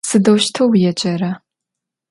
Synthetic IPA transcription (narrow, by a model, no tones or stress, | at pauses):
sɨdɐwʃtʰowjɛt͡ʃʼɐrɐ